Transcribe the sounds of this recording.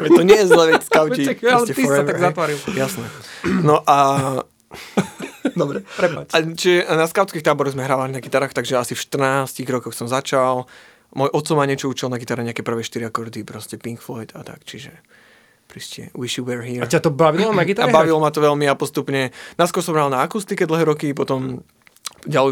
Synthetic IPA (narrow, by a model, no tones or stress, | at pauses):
ɛt̪ːɔɲɪɛjɛzlɛʋɛcskaʊcialɛɛft̪iɛt̪aɡzat̪ʋaɾiljasnɛnɔʔa | d̪ɔbɾɛpɾɛpaat͡ʃiʒɛnaskaʊt̪t͡skixt̪aːbɔɾɔɣzmɛɦɾaːʋaliɲnaɡit̪aɾaːxt̪aɡʒɛasifʃt̪r̩naːsciɣɾɔkɔxsɔmzat͡ʃal | mɔjʔɔt̪t͡sɔmaɲɪɛt͡ʃɔut͡ʃilnaɡit̪aɾɛɲɛakɛpr̩ʋɛːʃt̪iɾiakɔɾd̪ipɾɔscɛpiŋkflɔjt̪at̪a̰kt͡ʃiʒɛ | pɾiscɛ̰wiʃiwɛɹɦiːat̪ɔbaʋilɔnaɡit̪aaɾɛbaʋilɔmat̪ɔʋɛʎmiapɔst̪upɲɛnaskɔɾsɔmɦɾalnaːkust̪ikɛd̪l̩ˠɦɛːɾɔkipɔt̪ɔm | ɟalɛ